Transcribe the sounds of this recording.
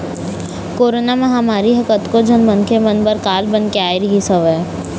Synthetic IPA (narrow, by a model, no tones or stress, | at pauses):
koːɾonamɐɦamaːɾiɦəkət̪kod͡ʒənmənkʰemənbəɾkaːlbənkeaːeɾiɦisɐʋɛ